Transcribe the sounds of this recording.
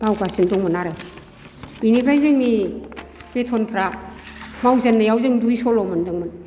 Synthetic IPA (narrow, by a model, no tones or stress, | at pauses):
bawkasindɔŋmɯnaɾɯ | binikʰɾajzɯŋni | b̥etʰɔnpʰɾa | mawzanːajawzɯŋdujsɔlɔmɯndɯŋmɯn